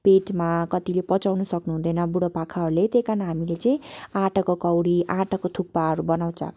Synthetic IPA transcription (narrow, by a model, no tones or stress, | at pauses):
peʈmakʌt̪ilepʌt͡sawnusʌknuɦũd̪ʌjnʌbuɽopakʰaɦʌɾulet̪ekanaɦamilet͡sʌĩãʈʌkokʌwɽiʔãʈʌkot̪ʰuk̚paʌɾubʌnaw̃t͡sʰʌ̰